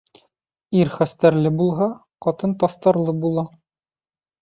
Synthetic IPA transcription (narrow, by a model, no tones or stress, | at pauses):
iɾχæst̪æɾlɘbulˠɦɑ | qɒt̪ɤnt̪ɒθt̪ɑɾlˠɤbulˠɑ